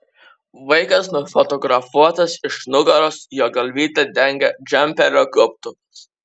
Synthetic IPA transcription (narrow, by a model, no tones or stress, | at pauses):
ʋɐɪkɐsnʊfɔt̪ɔɡɾɐfuɔt̪ɐsɪʃnʊɡɐɾosjoːɡɐlʲʋʲiːt̪ʲɐd̪ʲɛŋʲɡʲɛd͡ʒʲɛmʲpʲɛɾʲoɡɾʊp̚t̪ʊ